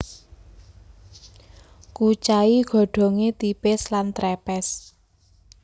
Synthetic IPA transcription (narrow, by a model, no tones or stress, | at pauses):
kut͡ʃaiɡ̥ɔ̤ɖ̥ɔ̤ŋet̪ipɪslant̪ɾɛpɛs